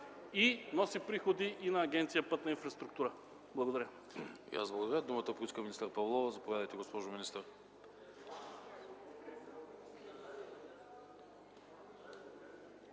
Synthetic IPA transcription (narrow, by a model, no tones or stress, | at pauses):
inɔsipɾixod̪iʔinɐːɡʲɛnt̪sijəpɤt̪nɐinfɾɐst̪ɾuk̚t̪uɾə | blˠɐɡod̪ɐɾʲə | ḭa̰zblˠɡod̪ɐɾʲəd̪umət̪əpoiskəminist̪əɾpɐvlˠɔvəzɐpovʲad̪əjt̪ɛɡospɔʒominist̪əɾ